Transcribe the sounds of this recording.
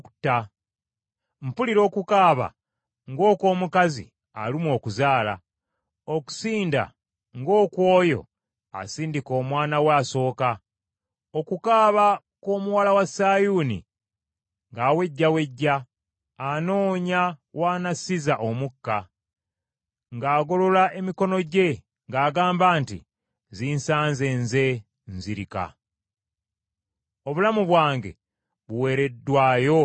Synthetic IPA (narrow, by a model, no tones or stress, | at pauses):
utːa | mpuliɾo̞ːkukaːβa̰ | ŋɡo̞ːko̞ːmukazḭ | a̰limwo̞ːkuzaːla̰ | o̞ku̥siːnda̰ | ŋɡo̞ːkwo̞ːjo̞̰ | a̰siːndiko̞ːmwaːnawaːso̞ːka | o̞kukaːβa | ko̞ːmuwalawasaːjuːnḭ | ŋɡawe̞ɟːawe̞ɟːaː | no̞ːɲawaːnasizaʔomukːa | ŋɡaːɡo̞lo̞laʔe̞miko̞no̞ɟe̞ | ŋɡaːɡaːmbaːntḭ | ziːnsaːnzeːnze̞ | nziɾika̰ | o̞βulamuβwaːŋɡe̞̰ | βuwe̞ːɾe̞dːwaːjo̞